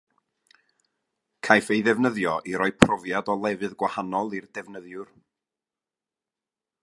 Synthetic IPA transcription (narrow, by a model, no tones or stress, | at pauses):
kʰajfejðɛvnəðjɔʔiɾɔɨpʰrɔvjadɔlˠɛvɨðɡwahanɔlˠirdɛvnəðjʊr